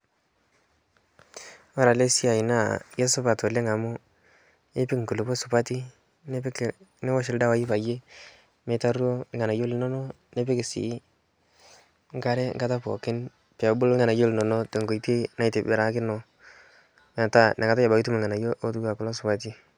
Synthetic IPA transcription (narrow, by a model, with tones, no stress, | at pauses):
wa˦ɾa˨le˦si˦a˨i˨na˦˨je˦sʊ˦pa˨to˨le˦ŋa˨mʊ˦ | e˦pɪ˦kŋ̩˨ku˨lu˨po˦sʊ˨pa˦ti˦ | n˦˨ne˦wɔ˦ʃ̬ɪ˨lda˦wa˨˦ji˦pa˨je˦ | me˨˦ta˦ɾo˦ɪ˦ŋa˨na˨jo˦lɪ˨˦nɔ˦nɔ˦ | ne˦pɪ˦kɪ˨sḭ˨˦ | ŋ˦ka˦ɾɛ˦ŋɡa˦ta˦pɔ̰˨kɪ˦n | pɛ˨a˨bʊ˦lɪ˦ŋa˨na˨jo˦lnɔ˨nɔ˦te˨ŋɡo˨i˨te˦na˦i˨te˨be˨ɾa˨˦kɪ˦nɔ˨ | mɛ˨ta˦˨nʔe˨ka˦ta˦ja˨ba˨ki˦tu˦me˨ŋa˨na˨jo˦ʔo˦tu˦ɡa˨kʊ˨lɔ˦sʊ˨pa˦t̬i˦